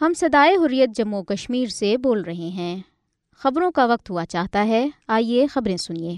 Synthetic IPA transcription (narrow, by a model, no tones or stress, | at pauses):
hɐmsɐd̪aːeɦʊɾijət̪̚d͡ʒɐmːukɐʃmiːɾseboːlɾɐɦeɦɛ̃ː | xɐbɾõkaʋɐq̚t̪ɦuat͡ʃaːɦt̪aɦɛaːiexɐbɾẽsʊnieː